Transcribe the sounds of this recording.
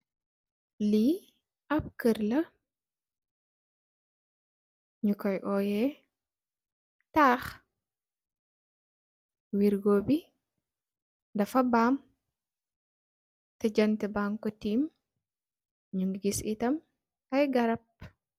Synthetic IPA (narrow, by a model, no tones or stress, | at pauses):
li | ɐp̚kəɾlɐ | ɲukɔjʔɔːjɛ | taːx | wiɾɡoːbi | dɐfɐbaːm | tɐd͡ʒɐntɛbaŋkɔtiːm | ɲuŋɡisitɐm | ɐjɡɐɾɐp̚